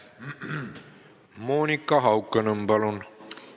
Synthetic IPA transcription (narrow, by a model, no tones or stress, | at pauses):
moːnʲikːˑɑɦɑwkːənəmbɑlun